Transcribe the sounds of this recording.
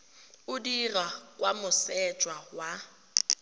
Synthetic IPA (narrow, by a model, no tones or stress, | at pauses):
ʊdirakʼwamʊsɛt͡ʃʼwawa